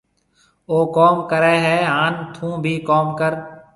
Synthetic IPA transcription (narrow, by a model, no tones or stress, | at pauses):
oːkɔːmkəɾɛːɦɛːɦãːnt̪ʰũːbʱiːkɔːmkəɾ